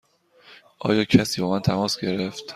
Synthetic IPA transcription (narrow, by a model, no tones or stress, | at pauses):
ʔɒ̰ːjɒːcʰæsiːbɒːmænt̪ʰæmɒːsɟe̞ɾeft̪